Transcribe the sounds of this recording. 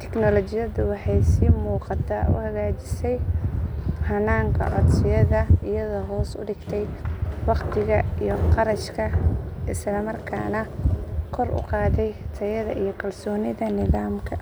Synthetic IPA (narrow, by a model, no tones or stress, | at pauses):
t̪ʰɛ̥knɔlɔt͡ʃɪjɐðʊwɑħɑjsiːmuːqɑt̪ʰaːʊ̰hɐɣaːt͡ʃɪ̥sɛj | hɐnaːŋkʰɐ̰ʕɔd̪sɪjɐðɐɪjɐðɔːɦɔːsʊ̰ɖɪɡt̪ʰɛjwɑqt̪ʰɪɣɐijɔqɑɾɐʃkʰɐʔɪslɐmɐrkʰa̰ːnɐkʰɔrʊ̰qɑːt̪ɛjt̪ʰɐjɐðɐʔijɞkʰɐlsɔːnɪðɐnɪðaːmkʰɐ